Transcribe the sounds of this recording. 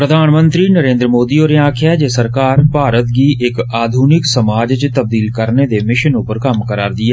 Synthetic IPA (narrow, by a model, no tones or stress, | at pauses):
pɾəd̪ʱaːnmə̃nt̪ɾinəɾẽːnd̪ɾəmoːd̪ioːɾeãːkʰɛd͡ʒesəɾkaːɾpaːɾət̪ɡiʔɪkaːd̪ʱuːnɪksəmaːd͡ʒt͡ʃt̪ɐb̚d̪iːlkəɾned̪emɪʃənʊpəɾkɐmkəɾaːɾd̪ɪjaː